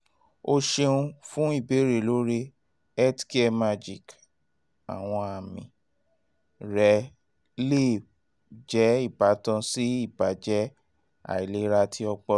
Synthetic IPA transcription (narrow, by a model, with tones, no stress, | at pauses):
o˧ʃe˧ũ˧fũ˦i˦˨be˨˦ɾe˨lo˦ɾe˧ | ɛ˦tke˧ma˧d͡ʒi˨k | a̰˨w̃ɔ̃˧a˨mḭ̃˨ | ɾɛ˨˦ | le˦˨ | d͡ʒɛ˨˦i˦˨ba˨˦tã˧si˦i˦˨ba˨˦d͡ʒɛ˦ | a̰˨i˨le˨˦ɾa˧tʰi˦ɔ˧k͡pɔ˧